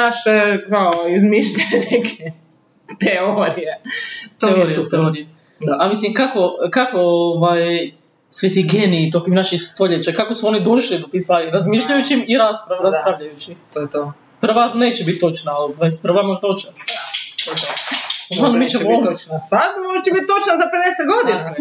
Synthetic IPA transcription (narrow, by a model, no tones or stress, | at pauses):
naʃekaoizmiʃʎeenekʰe | t̪eoɾijet̪eojut̪eoɾie | d̪aamislimkako̞kakooʋaj | sʋet̪iɡenit̪okimnaʃixst̪o̞ʎet͡ɕakakosuonid̪unʃlid̪ot̪ist̪ʋaːɾiɾazmiʃʎajut͡ʃimiɾaspɾaɾapɾaʋʎajut͡ʃiojɛt̪o | pr̩ʋane̞ːt͡ɕebit̪̚ʲt̪ːo̞t͡ʃnaːlaspɾr̩ʋamoʒt̪ot͡ʃnat̪oaanmit͡ʃemmonasad̪moʒet͡ʃebit̪̚t̪ːot͡ʃnazaped̪eset̪ɡod̪ina